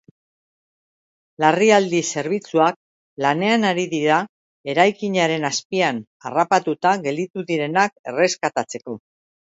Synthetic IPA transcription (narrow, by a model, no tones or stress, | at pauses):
lariald̪ise̞ɾβ̞it͡suak̚ | lane̞anaɾiðiɾa | e̞ɾajkiɲaɾe̞naspian | a̰rapat̪ut̪aɣe̞ld̪it̪uðiɾe̞nake̞̰re̞skat̪at͡se̞ko̞